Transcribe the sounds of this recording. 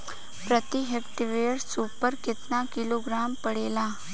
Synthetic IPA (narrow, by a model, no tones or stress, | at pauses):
pɾət̪iɦekʈiʋeːɽsuːpəɾkɪt̪nakɪloːɡɾaːmpəɽeːlaː